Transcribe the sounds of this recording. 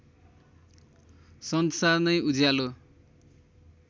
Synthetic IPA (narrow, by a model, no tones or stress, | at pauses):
sʌnsarnʌjud͡zjalo